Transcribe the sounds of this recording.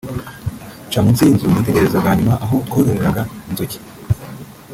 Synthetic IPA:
t͡ʃaːmunt͡siːnzumɡite̞ɡe̞ɾe̞zaɡaːɲumaʔaɦotkoːɾeɾeɾaɡainzoci̥

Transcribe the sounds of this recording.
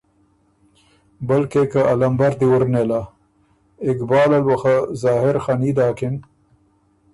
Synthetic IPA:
bəlkekaʔalɐmbaɾd̪iwuɾnela | ɪkbɑːlɐlwɐxazɑːɦɪɾxanid̪aːkɪn

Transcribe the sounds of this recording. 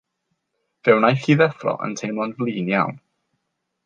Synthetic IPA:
ð̥ɛwnajθiːðɛfrɔ̰ʔə̰ntʰejmɔnvlˠiːnja̰wn

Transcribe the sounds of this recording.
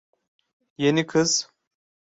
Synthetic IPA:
jenikʰɨz

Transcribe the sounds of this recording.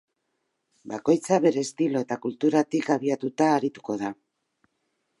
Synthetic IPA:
bako̞jt͡saβe̞ɾe̞ːst̪ilo̞e̞t̪akult̪uɾat̪ikaβ̞iat̪ut̪aːɾit̪u̥ko̞ð̞a

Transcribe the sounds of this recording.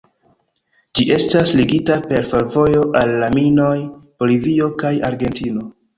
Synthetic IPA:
d͡ʒiʔe̞stasliɡitape̞ɾfelvo̞jo̞ʔalːamino̞jb̥o̞livio̞kaja̰ɾɡe̞ntino̞

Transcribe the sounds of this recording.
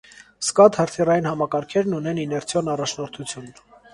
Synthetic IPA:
skɑt̪həɾt̪ʰirɑjinhɑmɑkɑɾkʰɛɾnunɛninɛɾt͡sʰjɔnɑrɑt͡ʃʰnɔɾt̪ʰut͡sʰjun

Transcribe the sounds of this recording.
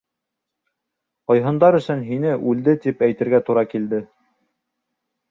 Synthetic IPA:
qɑjɦɤ̆nd̪ɑɾɵ̆sɵnɦinɘʔʉld̪ɘt̪ipæjt̪ɘ̆ɾɡæt̪uɾɑkild̪ɘ

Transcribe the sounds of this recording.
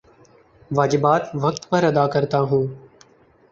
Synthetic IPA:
ʋaːd͡ʒɪbaːt̪ʋək̚t̪pəɾəd̪aːkəɾt̪aːɦũː

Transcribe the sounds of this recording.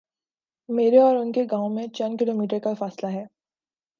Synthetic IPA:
meːɾeɔːɾʊnkeɡãːõmẽt͡ʃɐnkɪloːmiːʈ̬əɾkafaːslaɦɛː

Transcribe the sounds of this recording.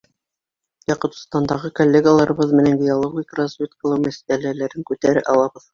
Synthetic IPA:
jɑqɤ̆t̪̆st̪ɑnd̪ɑʁɤkolʲːeɡəlˠɑɾɤ̆βɤðmɘ̆næŋɡʲɪjolˠoɡʲikrazvʲet̪kəlˠɤwmæsælælæɾɘŋkʉt̪æɾɘʔɑlˠɑβɤð

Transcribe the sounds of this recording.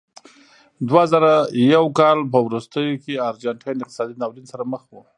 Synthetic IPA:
d̪wazaɾajawkɑlpəwɾust̪əjokeaɾd͡ʒaɳʈʰajnɪqt̪ɪ̥sɑd̪inɑwɾinsaɾaməxwu

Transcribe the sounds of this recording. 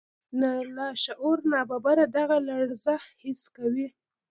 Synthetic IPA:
nalaʃaʔoɾnɑbabaɾad̪aɣalaɽzahhɪskawi

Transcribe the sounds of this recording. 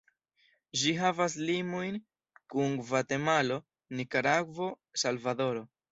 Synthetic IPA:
ʒiɦavas̬limo̞jn | kunvate̞malo̞ | nikaɾaɡvo̞ | salvado̞ɾo̞

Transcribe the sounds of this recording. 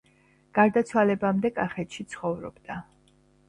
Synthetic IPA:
ɡ̥aɾd̪at̪sʰwalɛbamd̪ɛkʼaχɛt̪ʃit̪sʰχɔvɾɔ̰bd̪̥a

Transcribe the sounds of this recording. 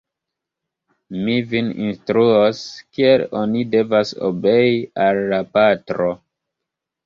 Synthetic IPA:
mivinḭnstɾuoskielo̞nide̞vaso̰be̞jialːapatɾo

